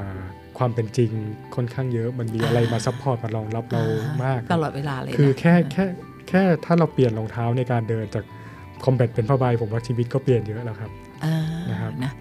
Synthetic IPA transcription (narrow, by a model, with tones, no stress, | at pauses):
ʔː | kʰwaː˧mpe˧nt͡ɕi˧ŋkʰo˥˩nkʰaː˥˩ŋjɤ˦˥ʔma˧nmiː˧ʔa˧ɾa˧jmaː˧sa˦˥pʰːɔː˧˥t̪̚ma˧lɔː˧ŋla˦˥p̚ɾa˧wmaː˥˩k̪̚a˧lɔː˨˩t̪̚weː˧laː˧l̰kʰɯː˧˦kʰɛː˥˩kʰɛː˥˩ | kʰɛː˥˩t̪ʰaː˥˩ɾa˧wpli˨˩ənloː˧ŋt̪ʰaː˦˥wna˧jkaː˧ndɤː˧nt͡ɕaː˨˩k̚ | kʰɔ˧mbɛ˨˩t̪̚pe˧npʰaː˥˩ba˧jpʰo˩˦mwaː˥˩t͡ɕʰiː˧wi˦˥t̪̚kɔː˥˩pli˨˩ənjɤ˦˥ʔlɛː˦˥kʰa˦˥p̚ | aː˧na˦˥kʰa˦˥p̚